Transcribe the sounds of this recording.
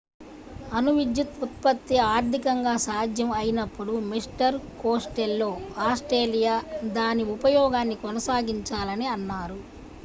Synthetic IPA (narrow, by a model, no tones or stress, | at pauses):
ɐnuʋid͡ʒ̪jut̪ut̪̚pɐt̪ːiaːɾd̪ʱikɐŋɡaːsaːd̪ʱjɐmɐjinɐpːuɽumisʈɐɾkoːsʈelːo̞ːaːsʈɾeːlijaːd̪aːniupɐjɔːɡaːnːikɔnɐsaːɡiɲt͡ʃaːlɐniɐnːaːɾu